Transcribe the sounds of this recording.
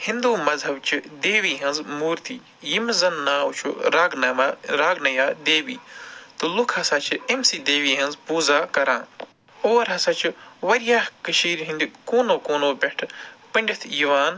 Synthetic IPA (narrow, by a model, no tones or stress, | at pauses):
hĩnd̪uːmɐzɦɐbt͡ʃʰɨd̪eːʋiːɦɐnzmuːɾt̪iː | jimzɐnːaːt͡ʃʰuɡnɐɾaːɡnɐjaːd̪eːʋiːt̪ulukʰɐsaːt͡ʃʰɨemsiːd̪eːʋiːɦɐnzpuːzaːkɐɾãː | oːɾɦɐsaːt͡ʃʰiʋɐɾjaːhkɐʃiːɾɦĩnd̪ikoːnoːkoːnoːbeʈʰpɐɳʲɖʲit̪ʰjiʋaːn